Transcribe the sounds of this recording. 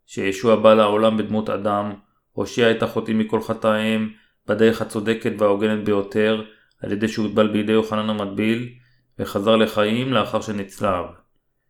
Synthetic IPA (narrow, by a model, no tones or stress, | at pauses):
ʃejeʃuabalaolambed̪mut̪a̰d̪am | ho̞ʃiaetaχo̞timiko̞lχataim | b̥ad̪e̞ʁeχhat͡so̞de̞ke̞tveaoɡe̞net̪be̞jo̞tʰe̞ʁ | ha̰lje̞d̪e̞jʃeuid̪̚balbejid̪e̞joχananamat̚bil | veχazaʁle̞χaimleaχaʁʃenit͡slav